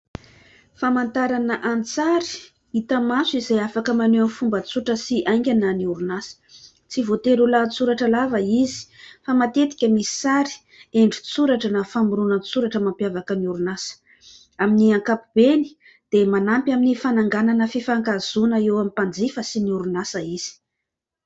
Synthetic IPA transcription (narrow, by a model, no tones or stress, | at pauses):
famant̪aɾanəʔant͡saɾi̥ | it̪əmasuizejafakəmaneanfumbət͡suʈ͡ʂəsiʔajŋɡʲananiuɾunasə̥ | t͡sivot̪eɾulat͡suɾaʈ͡ʂəlavəizi̥famat̪et̪i̥kʲəmisi̥saɾi̥ | eɳɖ͡ʐit͡suɾaʈ͡ʂənafamuɾunənt͡suɾaʈ͡ʂəmampjavakəniuɾunasə̥ | aminiaŋkapub̥eni̥ | d̪̥emanampʲaminifanaŋɡananəfifaŋkaz̥unəewamipand͡zifəsiniuɾunasəiz̥i̥